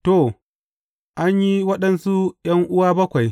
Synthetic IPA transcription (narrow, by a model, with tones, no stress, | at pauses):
toː˦˨ | ʔa˦ɲji˦wɐ˦ɗɐ˨nsu˦j̰ɐ˦ŋʔʊ˦waː˦bɐ˦kʷa˨j